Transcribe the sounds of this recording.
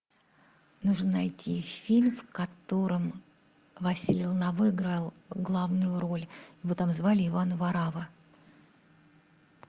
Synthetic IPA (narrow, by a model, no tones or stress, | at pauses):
nuʐnənɐjtʲʰifʲilʲmfkɐt̪o̞ɾəm | vɐsʲilʲɪlˠnɐvɨɪɡɾalˠɡlˠavnʊjʊɾo̞lʲjɪvot̪amzvalʲɪːvanvɐɾavə